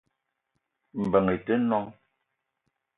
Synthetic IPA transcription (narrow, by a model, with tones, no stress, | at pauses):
m̩˨bə˨ŋe˨te˦nɔ˦ŋ